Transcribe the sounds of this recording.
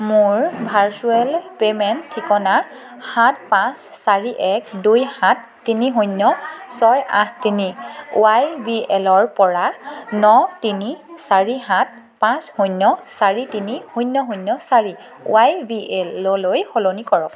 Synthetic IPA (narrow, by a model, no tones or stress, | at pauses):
muɹbʱaɹsuɛlpemɛntʰːikɔna | hãt̚pãsːaɹiʔɛkdujhãtːiniɦujnːɔsɔjã̰htiniuajbiɛlɔɹpɔɹanɔtinisaɹiɦãt̚ | pãshujnːɔsaɹitinihujnːɔɦujnːɔsaɹi | ṵajbiɛlɔlojxolonikɔɹɔk